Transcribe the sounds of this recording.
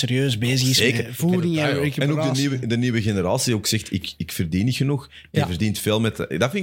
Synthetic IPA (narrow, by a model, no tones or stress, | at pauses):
seːɾjøːzbeːzəɣɪszeːkəvuːɾɪŋɛkəɛnoɡdəniːwədəniːwəɣenəɾaːsiioksɛxtɪkɪkfərdinixənux | d̥ivərdintfeːlˠmɛtdafɪn